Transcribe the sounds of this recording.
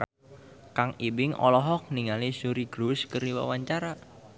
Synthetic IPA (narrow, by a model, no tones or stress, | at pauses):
kaŋibɪŋɔ̰lɔɦɔk̚niŋalisuɾiɡ̥ɾuskəriwa̰waɲt͡ʃaɾa